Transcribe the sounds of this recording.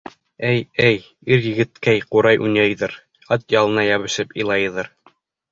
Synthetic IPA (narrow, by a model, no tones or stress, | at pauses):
æjɘj | iɾjɘ̆ɡɘ̆t̪kæjquɾɑjʔunʲæjðɤɾ | ɑt̪jɑlˠɤ̆nɑjɑβɘ̆ʃɘpɤ̰̆jlˠɑjɤ̆ðɤɾ